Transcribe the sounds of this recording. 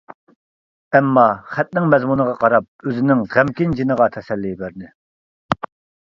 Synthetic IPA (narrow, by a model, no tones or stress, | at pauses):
ɛmːɑχæt̪̚nɪŋmɛzmunəʁɑqʰɑɾɑp̚øzɪnɪŋʁæmkʲind͡ʒinəʁɑt̪ʰɛsɛlːijbæɾnɪ